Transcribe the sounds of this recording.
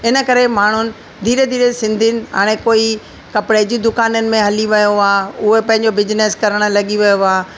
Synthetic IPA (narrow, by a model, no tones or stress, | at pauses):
ɪnə̆kɐɾemaːɳ̤ʊnɪ̆ | d̪ʱiːɾed̪ʱiːɾesɪ̃nd̪ʱinɪ̆ɦa̰ːɽ̃ekoːi | kɐpɽed͡ʑiːd̪ʊkaːnənɪ̆mẽɦɐliʋɐjoaːʊɦepɐ̃ɦɪ̃ɲ̆d͡ʑobɪd͡ʑneskɐɾəɽ̃ə̆lɐɠiʋɐjoaː